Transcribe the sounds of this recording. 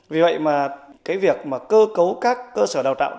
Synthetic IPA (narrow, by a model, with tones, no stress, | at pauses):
vi˨˩və̰˧˨jmaː˨˩kaː˨˦jvi˨˩ək̚maː˨˩kəː˧kə˨˦wkaː˦˥kːəː˧səː˧˩ɗaː˨˩wt̪ː